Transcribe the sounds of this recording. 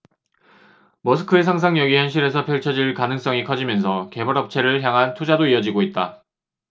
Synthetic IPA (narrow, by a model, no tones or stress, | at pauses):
mʌsʰɯ̥kʰɯes̬ʰaŋs̬ʰaŋjʌɡijʌnɕ̬ʰiɾe̞sʰʌpʰjʌɭt͡ɕʰʌd͡ʑiɭkanɯŋs͈ʌŋikʰʌd͡ʑimjʌnsʰʌke̞mʌɾʌp̚t͡ɕʰe̞ɾɯɭçjaŋɦantʰud͡ʑadoiʌd͡ʑiɡoit̚t͈a